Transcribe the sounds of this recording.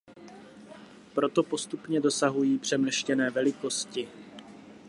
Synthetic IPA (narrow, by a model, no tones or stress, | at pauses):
pɾo̞t̪o̞po̞st̪upɲɛdo̞saɦujiːpr̝̥ɛmlɛʃcɛnɛːvɛlɪko̞scɪ